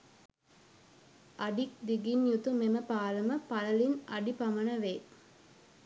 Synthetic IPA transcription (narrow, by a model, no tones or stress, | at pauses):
ʔɐɖik̚d̪iɡinjut̪umeməpaːləməpɐlɐlinɐɖipɐmɐnɐʋeː